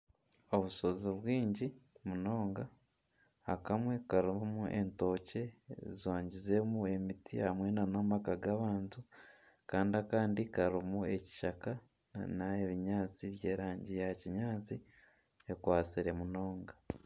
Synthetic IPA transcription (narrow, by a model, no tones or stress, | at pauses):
o̞βuso̞ziβwiːɲɟimuno̞ːŋɡaː | kamwe̞kaɾuβamuʔe̞̰nto̞ːce̞ziwaːɲɟize̞mue̞mitʰihamwe̞nanomakaɡaβaːntu | kaːndiakaːndikaɾumue̞ci̥ʃaka | naeβiɲaːt͡siβje̞ːɾaːɲɟijaciɲaːt͡si | ekwaːt͡siɾe̞muno̞ːŋɡa